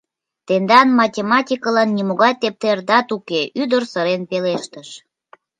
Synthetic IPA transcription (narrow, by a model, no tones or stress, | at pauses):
t̪end̪ɑnmɑtʲemɑtʲikəlɑnːʲimoɣɑjt̪ep̚t̪erd̪ɑt̪ukeʔyd̪ərsəɾenpeleʃt̪əʃ